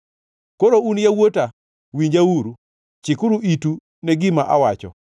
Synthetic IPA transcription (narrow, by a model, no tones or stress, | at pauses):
koɾounjawota | wiɲd͡ʒawuɾu | t͡ʃɪkʊɾuitu | nɛɡɪmaʔawat͡ʃɔ̰